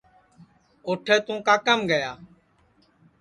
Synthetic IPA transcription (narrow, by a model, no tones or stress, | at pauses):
oːʈʰɛːt̪ũːkaːkəmɡəjaː